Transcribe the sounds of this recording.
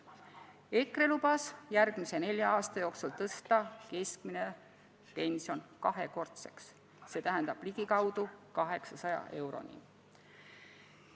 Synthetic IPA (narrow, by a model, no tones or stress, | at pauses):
e̞kre̞lub̥ɑsjærɡ̥mise̞ne̞lʲjɑɑːst̪ɑjo̞ːksult̪ɤst̪ɑke̞skmine̞ | pe̞nʲsjo̞nkɑɦe̞ko̞rt̪se̞̥ksː | e̞t̪æɦend̪ɑb̥liɡ̥ikɑwd̪̥ukɑɦe̞ksɑsɑjɑ̰ʔe̞wɾo̞̰nʲḭ